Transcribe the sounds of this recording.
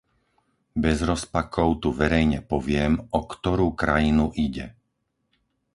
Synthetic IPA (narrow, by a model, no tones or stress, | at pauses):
bɛzɾɔspakʰɔʊt̪uʋɛɾɛjɲɛpɔʋɪɛmɔkt̪ɔɾuːkɾajinuʔiɟɛ